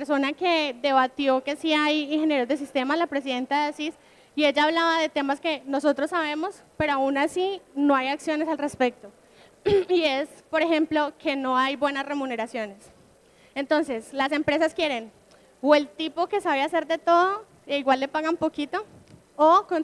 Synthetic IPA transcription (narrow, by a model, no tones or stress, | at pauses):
ɾso̞nake̞ðe̞β̞at̪jo̞kesiajiŋxe̞nje̞ɾozd̪es̬ist̪e̞malapɾe̞s̬iðe̞nt̪aðeasis | ie̞ʝaːβlaβaðe̞t̪e̞maske̞no̞so̞t̪ɾo̞sːaβe̞mo̞s | pe̞ɾoaunasino̞ajaksjo̞nesalre̞spe̞k̚t̪o̞ | iespo̞ɾe̞xe̞mplo̞kʰe̞no̞ajbwe̞nasre̞mune̞ɾasjo̞ne̞s | ent̪o̞nse̞slase̞mpɾe̞saskje̞ɾe̞n | we̞lt̪ipo̞ke̞saβjase̞ɾd̪e̞t̪o̞ð̞o̞ | eiɣwalːe̞paɣampo̞kit̪o̞ː | kon